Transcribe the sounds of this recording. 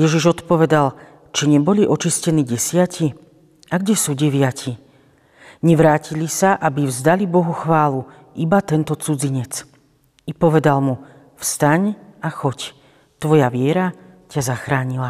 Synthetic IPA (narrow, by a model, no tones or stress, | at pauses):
jɛʒiʒɔt̪pɔʋɛd̪al | t͡ʃiɲɛbɔliʔɔt͡ʃiscɛniːɟɛsɪaci | aɡɟɛsuːɟɛʋɪacʰi | ɲɛʋɾaːcilisaʔabivzd̪alibɔɦuxʋaːlu | ibat̪ɛnt̪ɔt͡sud͡ziɲɛt͡s | ipɔʋɛd̪almu | fst̪aɲaxɔc | t̪ʋɔjaʋɪɛɾacazaxɾaːɲila